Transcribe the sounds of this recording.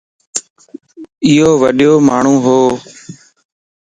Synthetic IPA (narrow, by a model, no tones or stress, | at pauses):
ɪɦoːʋəɗɪjoːmaːɳ̤ũːɦoː